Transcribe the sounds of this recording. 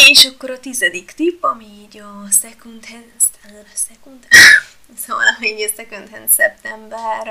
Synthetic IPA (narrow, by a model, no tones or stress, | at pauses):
eːʃɒkːo̞ɾɒt̪izɛd̪ikt̪ipːɒmiːɟɒsɛkunt̪hɛnst̪an | sɛkunt̪ | sɛmɔ̰aliɟɛsɛkunt̪hɛnsɛp̚t̪ɛmbɛr